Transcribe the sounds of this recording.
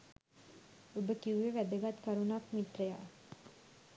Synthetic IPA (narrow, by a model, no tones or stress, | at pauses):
obʱəkiwʋeʋæd̪əɡat̪kəɾunakmit̪ɾəja